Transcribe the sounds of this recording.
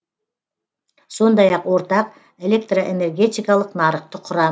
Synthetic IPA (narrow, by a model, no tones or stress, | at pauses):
so̞nd̪ɑjɑqwo̞ɾt̪ɑq̚ | e̞le̞k̚t̪roʔene̞rɡʲe̞t̪ijkɑlˠəqnɑɾəqt̪əqʰʊɾɑ